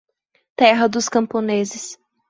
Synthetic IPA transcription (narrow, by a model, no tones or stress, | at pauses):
t̪ɛɦɐd̪ʊskɐ̃mpõnezɪs